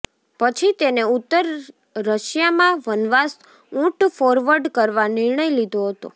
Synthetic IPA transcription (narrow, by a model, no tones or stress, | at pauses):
pət͡ʃʰit̪eneut̪ːəɾː | əʃjamãʋənʋas | ũʈfɔɾʋəɾɖkəɾʋanɪɾɳəjlid̪ʱoɦət̪o̰